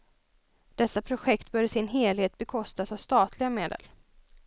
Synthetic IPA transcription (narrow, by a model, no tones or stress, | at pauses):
d̪̥ɛsːapʰɾʊɧɛkt̪bœːɖəsɪnɦeːlheːt̪̚bɛkʰɔst̪asavst̪ɑːt̪ʰlɪɡameːd̪ə̰l